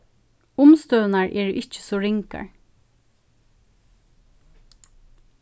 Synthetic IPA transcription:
ʊmst̪øːnaɹʔɛːɹʔɪt͡ʃə̥sɔːɹɪŋka̰ɹ

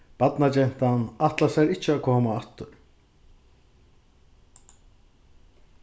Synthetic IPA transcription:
b̥ad̪nad͡ʒɛnt̪anat̪lasaɾit͡ʃʰakʰoːmaat̪ːuɾ

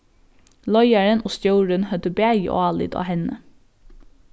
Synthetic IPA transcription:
lɔʏæɹənoːst̪jœːɹənhœd̪əbæːjə̰ʔo̰ːɑːlɪ̰d̪ɑ̰ːhɛnə

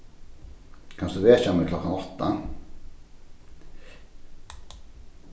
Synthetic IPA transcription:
kʰansd̪uvɛːt͡ʃamɛklɔkːanɔt̪ːa

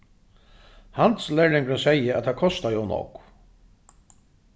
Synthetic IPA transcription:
hant̪slɛɹɪŋkɾʏsɛjəæ̰t̪ʰakʰɔst̪ajɔwnɔ̰k

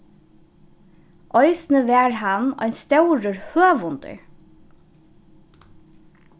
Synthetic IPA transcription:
ʔɔjsnəʋɛːɹɦanːɔ̰jnst̪ɛwɾəɹhøːʋʊnt̪ə̰ɹ

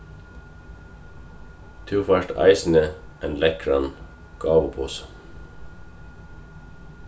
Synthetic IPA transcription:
t̪ʰʉːfæʃʈɑ̰ɪsn̩ə | ʔenlɛkɹɑn | ɡ̥ɑːʋəpʰuːsə̥

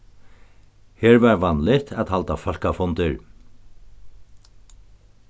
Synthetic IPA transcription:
heːɹʋɑːɹʋɑnlɪt̪ʰɛt̪hɑlt̪ɑfɔlkɑfɔnd̪əɹ

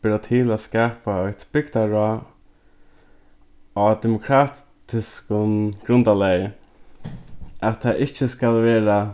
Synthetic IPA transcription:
b̥ɪɾat̪ʰiːlæskaːpaɔjt̪b̥ɪɡt̪aɹɔ | ɔd̪ɛmʊkʰɾaːt̪t̪ɪskʊnɡ̥ɾʊnd̪alɛj | at̪ʰːaʔɪht͡ʃəskalʋɛːɹa

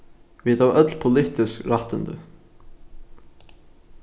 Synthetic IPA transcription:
ʋiːd̪ɑːœt̪lpʰʊlɪt̪ɪskɾɑt̪ənd̪ə̰

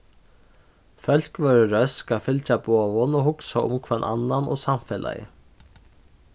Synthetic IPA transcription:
fœl̥kvœɥɾʏɾœskafɪlt͡ʃabɔːvʊnɔhʊksaʊ̰mkʰvɛnʔa̰nːanɔ̰samfɛːla̰jɪ̰

